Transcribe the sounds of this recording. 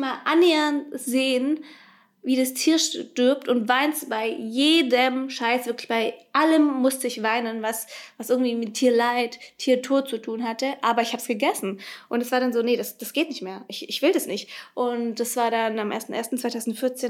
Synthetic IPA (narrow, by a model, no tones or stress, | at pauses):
maːlʔanːeːɐnzeːən | viːdastʰiːɐʃtʏɐp̚tʊntvaɪnsb̥aɪjeːdəmʃaɪsvɪɐklɪçb̥aɪʔaləmːʊstəɪçv̥aɪnənvasvasʔɪɐɡŋ̩tv̥iːmɪtʰːiːɐlaɪtʰːiːɐtʰoːt̚t͡sutʰuːnɦatəʔaːbɐɪçhaːbsɡ̥əɡɛsn̩ʔʊntɛsv̥aːɐɾanzoːnədasd̥asɡ̥eːtnɪçtmeːɐʔɪçɪçv̥ɪldasnɪçtʔʊntd̥asv̥aːɐɾanamʔḛɐstn̩ʔḛːɐstn̩t͡sʰsv̥aɪtʰaʊzn̩tfɪɐt͡seːn